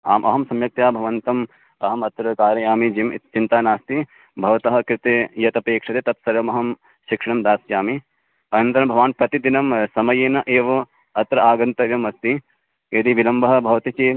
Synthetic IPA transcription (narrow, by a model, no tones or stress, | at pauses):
a̰ːmʔɐ̰ɦɐmsɐmjɐk̚t̪jaːbʱɐʋɐnt̪ɐm | ɐɦɐmɐt̪ɾɐkaːɾjɐjaːmid͡ʒiːm̰t͡ʃint̪aːnaːst̪i | bʱɐʋɐt̪ɐɦɐkɾɪt̪eːjɐt̪ɐpeːkʂɐt̪eːt̪ɐp̪̚sɐɾʋɐmɐɦɐm | ʃikʂɐɳɐmd̪aːsjaːmi | ɐnɐnt̪ɐɾɐmbʱɐʋaːnpɾɐt̪id̪inɐmsɐmɐjeːnɐʔeːʋɐ | ɐt̪ɾɐaːɡɐnt̪ɐʋjɐmɐst̪i | ɐd̪iʋilɐmbɐɦɐ̆bʱɐʋɐt̪it͡ʃeː